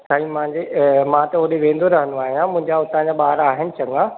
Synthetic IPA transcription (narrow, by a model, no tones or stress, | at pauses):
saːĩm̃ãɲd͡ʑemãt̪ɐoɗeʋẽːnd̪ʱoɾɐɦənuaːɦijãmʊ̃ɦɪ̃ɲd͡ʑaʊt̪ãd͡ʑaɓaːɾaːɦɪnɪ̆t͡ɕɐ̃ŋɡã